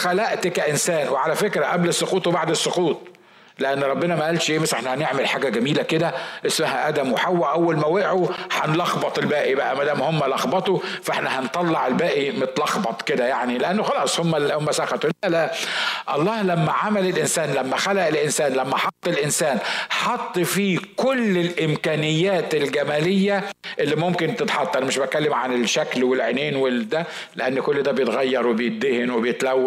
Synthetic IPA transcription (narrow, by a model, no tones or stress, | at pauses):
xælæʔt̪kæʔensæːnweʕalæfekɾæʔæblesːoquːt̪ˤwebaʕd̪esːoquːt̪̚ˤ | leʔænːɾˤɑbːenɑmæʔælʃʔeːmesʔeħnæhæneʕmelħaːɡæɡæmiːlæked̪æʔesmæɦæʔæd̪æmweħawːæʔæwːælmæwæʔʕoħɑnlɑxbɑt̪ˤelbæːʔibæʔæmæd̪æːmohemːælɑxbɑt̪ˤofʔeħnæhɑnt̪ˤːɑlːɑʕelbæːʔimet̪lɑxbɑt̪ˤked̪æjaʕnileʔænːoxɑlɑːsˤhomːæhomːæsæxæt̪olælæʔɑlˤːɑːhlæmːæʕamælɪlʔɪnsæːnlæmːæxælæʔelʔɪnsæːnlæmːæħɑt̪ˤːelʔɪnsæːnħɑt̪ˤːfiːkʊlːɪlʔɪmkæːnɪjːæːt̪ɪlɡæmæːlɪjːæʔɪlːimʊmkɪnt̪ɪt̪ħɑt̪ˤʔænæmɪʃbæt̪̚kælːemʕanɪlʃæklwɪlʕeneːnwɪld̪æ | leʔanːkʊlːd̪æːbejet̪ɣæjːɑɾˤwɪbejɪt̪̚d̪ɪhɪnwɪbejɪt̪læwːæ